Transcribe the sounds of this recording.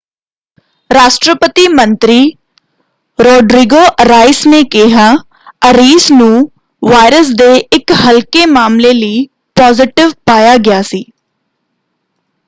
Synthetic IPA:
ɾaːʃʈɾəpət̪iːmə̃nt̪ɾiː | ɾɔːɖɾiɡoːʔɾaːɪsneːkɪɦaː | əɾiːsnũː | ʋaːɪɾəs̬d̪eːɪkɦəlkeːmaːmleːləiː | pɔːzɪʈɪʋpaːjaːɡɪjaːsiː

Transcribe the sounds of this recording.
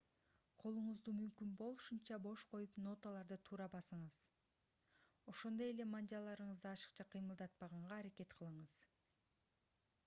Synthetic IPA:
qʰo̞lˠuɴuzd̪uːmymkynbo̞lˠuʃunt͡ʃɑbo̞ʃqʰo̞jupno̞t̪əlˠɑɾd̪ɯt̪ʰuːɾɑbɑsɯɴɯz | o̞ʃo̞nd̪o̞e̞le̞mɑnd͡ʒɑlˠːɑɾɯɴɯzd̪ɯɑʃɯ̥qt͡ʃɑqʰɯjmɯlˠd̪ɑt̪̚pɑʁɑɴʁɑːɾake̞t̪qʰɯlˠɯɴɯz̥

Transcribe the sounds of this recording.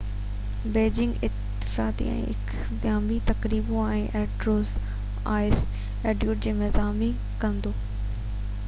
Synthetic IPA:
beːd͡ʑɪ̃ŋɡɪt̪ː | ɪ̥faːt̪ḭɛ̰̃ːʔɪ̰k | ɡjaːmit̪ɐkɾiːboɛ̃ːʔɛːɖɾoːz | aːɪs | eːɖjuːʈ̚d͡ʑeːmɪzaːmi | kɐ̃nd̪oː

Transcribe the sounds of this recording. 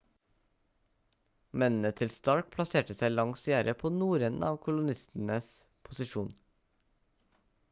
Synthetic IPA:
mɛnn̩ət̪ʰɪlst̪ɑɹk̚pʰlɑseːʈəsæɪlɑŋsjæːɾəpʰoːnuːɾənɑːʋkʰʊlʊnɪst̪n̩əs | pʰʊsɪʃuːn

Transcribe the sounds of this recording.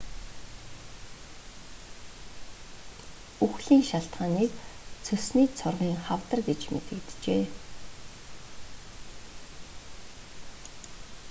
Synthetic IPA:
uxɮiːŋʃaɬt̪χaːniːkt͡sʰɵsniːt͡sʰʊrʁiːŋχawt̪ə̆rɡet͡ɕmḛt̪ɘ̆kt̪t͡ɕeː

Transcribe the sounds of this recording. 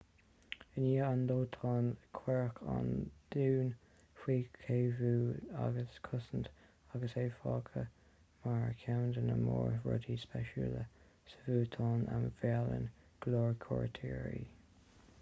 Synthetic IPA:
əniːand̪oːt̪ʰɑːnkʰwɛɹkʰa̰nd̪̥uːn | hwiːkʰeːvuːa̰ɡəskʰʊsənt | aɡəseːfɑːkʰə | maɹəkʰawndənəmɔːɹɹɔ̰dispɛʃulə | sə̥vuːt̪ʰɑːnʔamvɛlə̰n | ɡ̥lɔːɹkʰɔ̰ɹtʰiːɹḭ

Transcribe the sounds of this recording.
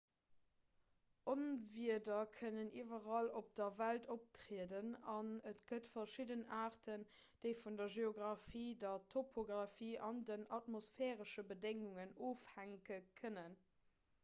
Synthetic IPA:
ʔonviədɐkʰənəniːvɐʁɑlop̚d̥ɐvæltʰop̚tʁeədənɑnətɡ̥ətfɐʃidənaːʁtʰən | d̥eɪfundɐʒeoɡʁɑfiːdɐtʰopʰoɡʁɑfiːʔɑndənɑtmosfɛːʁəʃəbədeŋuŋənoːfhæŋkəkʰənən

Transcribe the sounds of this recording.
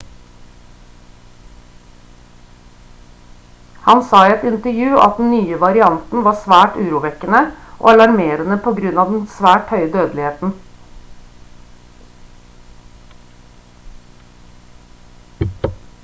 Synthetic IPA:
hɑnsɑːiɛt̪ɪnt̪əɾjʉːʔɑ̰t̪̚d̪n̩nyːəʋɑɾɪɑnt̪n̩ʋɑːsʋæːʈʉːɾuːʋɛkənəʔo̰ːɑlɑɾmeːɾənəpʰoːɡɾʉnɑːʋd̪n̩sʋæːʈhœʏəd̪øːd̪lɪheːt̪n̩

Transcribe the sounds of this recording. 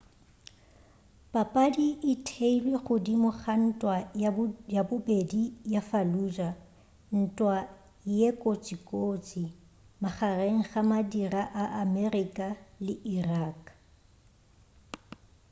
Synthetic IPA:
pʼapʼadiʔɪtʰeilweχʊdimʊχan̩tʼwa | jabʊbedijafaluːd͡ʒa | n̩tʼwa | jekʼot͡sʼikʼoːt͡sʼi | maχareŋ̩χamadiraʔaʔamɛrikʼalɪʔiraːkʼ

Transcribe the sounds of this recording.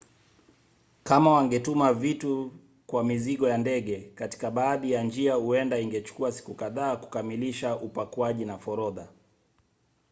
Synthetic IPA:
kamawaŋɡɛtumavitu | kwamiziɠɔjandɛɠɛkati̥kaɓaːɗijand͡ʒiahuɛndaiŋɡɛt͡ʃu̥kuasi̥kukaðaːku̥kamiliʃaʔupakwaʄinafɔɾɔða

